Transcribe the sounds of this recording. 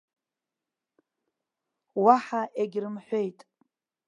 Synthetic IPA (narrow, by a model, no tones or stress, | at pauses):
waħaʔeɡʲrɨmħʷe̞jtʼ